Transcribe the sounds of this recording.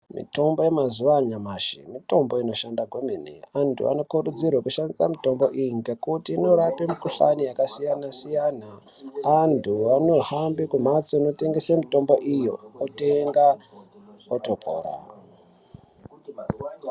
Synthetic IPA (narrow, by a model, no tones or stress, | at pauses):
mḭto̞mbo̞jemazuʋaɲamaʃimito̞mbo̞ino̞ʃandaɡʱwemenḛantʰṵa̰no̞kurud͡zirwakuʃandisamito̞mbo̞ʔiŋɡekutiːno̞ɾapemukuɬa̰nijakasijanasijanaː | ntʰuano̞hambikum̤at͡soino̞te̞ŋɡesemito̞mbo̞ʔijo̞oteŋɡa | otopʰo̰ːra̰